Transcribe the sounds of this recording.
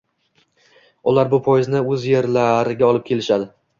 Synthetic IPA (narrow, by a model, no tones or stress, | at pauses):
ʊlaɾbʊpʰojɪznɪɵzje̞ɾlaɾɪɡʲaɒlˠɪp̚kʲʰe̞lɪʃad̪ɪ